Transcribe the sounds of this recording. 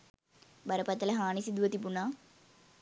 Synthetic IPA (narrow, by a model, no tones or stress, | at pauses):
bɐɾɐpɐt̪ːɐlɐɦaːnisid̪uʋɐt̪ipunaː